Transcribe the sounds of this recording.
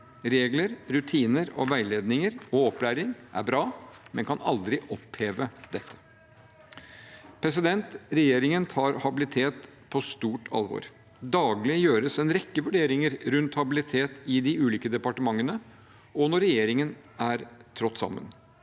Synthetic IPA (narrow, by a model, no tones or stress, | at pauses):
ɾeːɡləɾɾʉt̪ʰiːnəɾɔ̰ʋæɪleːd̪nɪŋəɾɔɔplæːɾɪŋʔæ̰ɾbɾɑːmɛnkʰɑnɑ̰ld̪ɾɪʔɔpheːʋəd̪ɛt̪ʰːə̥ | pʰɾɛs̬ɪd̪ɛnt̪ɾɛjeːɾɪŋənt̪ʰɑːɾhɑbɪlɪt̪ʰeːt̪pʰɔst̪uːʈʰɑ̰lʋo̰ːɾ | d̪ɑːɡlɪjøːɾəsɛnɾɛkːəʋʉɖeːɾɪŋəɾɾʉnt̪hɑbɪlɪt̪ʰeːt̪ɪd̪ɪʉːliːkəd̪ɛpɑʈəmɑŋːənə | ɔnɔɾɛjeːɾɪŋən | æɾt̪ʰɾɔt̪ːsɑ̰mːə̰n